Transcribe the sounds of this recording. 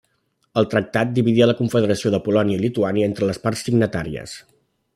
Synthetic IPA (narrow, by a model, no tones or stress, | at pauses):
əlˠt̪ɾək̚t̪at̪̚d̪iβiðiələkuɱfəðəɾəsioðəpulɔniəilit̪uaniəent̪ɾələsparsiɡnət̪aɾiə̰s